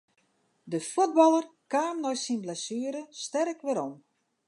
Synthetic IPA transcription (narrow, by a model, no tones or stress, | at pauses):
dəfud̚bɔlˠərkaːmnɔjsinblɛsyːəɾəstɛrkʋɪɾom